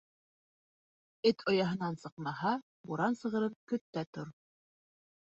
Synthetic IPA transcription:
ɘt̪ʰojɑɦɤ̆nɑnsɤ̆qmɑɦɑ | buɾɑnsɤ̆ʁɤ̆ɾɤpkɵ̆t̪ːæt̪oɾ

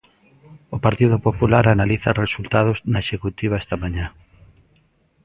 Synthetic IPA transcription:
ʊpaɾt̪iðʊpopulaɾanaliθɐ̰result̪að̞ʊznaeʃekut̪iβ̞aɛst̪ɐmaɲã

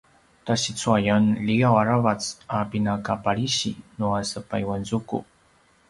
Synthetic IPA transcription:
taɕit͡suajanliɡawaɾavat͡sapinakapaɭiɕḭnuasəpajwanzukṵ

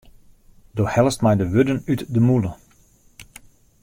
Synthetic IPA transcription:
doːhɛləstmɛjdəʋɵdənytdəmulˠə

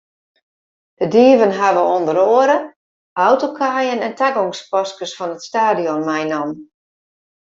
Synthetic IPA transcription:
d̥ədiəvənɦaʋəondəɾoəɾə | ʔawtokʰaːjənɛntʰaɡɔŋspɔskəsfɔnətstaːdiɔnmɛjnɔm

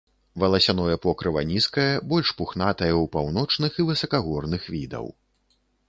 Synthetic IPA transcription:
vɐlˠɐsʲanɔjɐpɔkɾɨvɐ̰nʲiskɐjɐbɔlʲʂpuxnat̪ɐjɐwpawnɔt͡ʂnɨxivɨsɐkaɣɔrnɨxvʲid̪ɐ̰w

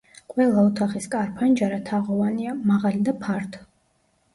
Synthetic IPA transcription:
qʼwɛlˠaut̪ʰaχiskʼaɾpʰand͡ʒaɾat̪ʰaʁɔvaniamaʁalid̪apʰaɾt̪ʰ

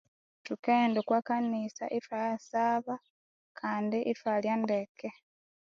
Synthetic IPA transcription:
tukeːndekwakanisa̰ʔifajasaːβa | kʰaːndiʔifaljandeke

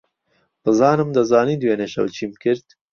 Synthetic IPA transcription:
bɨzɑːnɨmd̪ɐzɑːniːd̪weːneːʃɐ̰wt͡ʃʰimkɨɾd̪

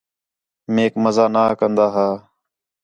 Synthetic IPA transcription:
meːkməzaːnaːkənd̪aːɦaː

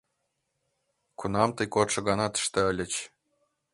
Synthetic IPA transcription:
kunɑmt̪əjkot̪ʃɤ̆ɣɑnɑt̪ə̥ʃt̪ɤ̆ə̆lʲə̆t͡ɕ

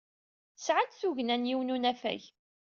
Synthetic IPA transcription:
sʕad̪θuʝnænjiwnunæfæ̰ç

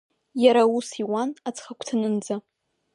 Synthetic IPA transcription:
jaɾausiwanat͡sʰχakʷʰʼtʰɨnɨnd͡za

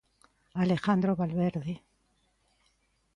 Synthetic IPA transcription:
alexand̪ɾoβalβeɾði

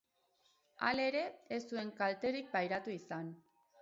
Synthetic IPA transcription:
a̰le̞ɾe̞est̪ue̞ŋkalt̪e̞ɾik̚bajɾat̪uisan

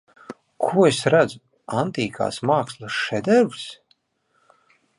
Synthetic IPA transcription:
kʰuɔesɾad̪zu | ant̪iːkʰa̰ːsmaːkslˠaʃɛd̪ɛɾvs

